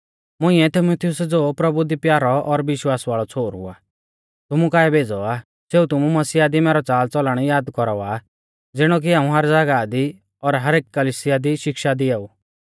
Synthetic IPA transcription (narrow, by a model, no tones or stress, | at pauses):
mʊ̃ɪ̃ːɛt̪ʰimut̪ʰɪjʊsd͡zoːpɾɐbud̪ipjaːɾɔɔɾʋɪʃwaːsʋaːɭɔt͡sʰoːɾɦʊ̰a̰ː | t̪ʊmukaːɛbʱeːd͡zɔa | seːut̪ʊmumɐsiːad̪imɛːɾɔt͡saːlt͡sɔlɽ̃ijaːd̪kɔɾɔa | d͡zɪɽ̃ɔk̬iaːũɦɐɾd͡zaːɡad̪i | ɔɾɦɐɾeːkkɐliːsɪjad̪iʃɪkʃad̪iɛːuː